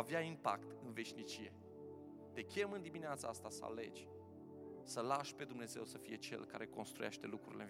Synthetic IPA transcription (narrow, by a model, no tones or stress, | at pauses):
aveaimpa̰kt̪ɨnve̞ʃnit͡ʃije̞ | t̪e̞kʲe̞mɨnd̪imineat̪saast̪asə̰a̰le̞̰d͡ʒʲ | səlaʃpe̞d̪umne̞ze̞̰wsəfije̞t͡ʃe̞̰lka̰ɾe̞ko̞nst̪ɾuja̰ʃt̪e̞lukɾṵɾilen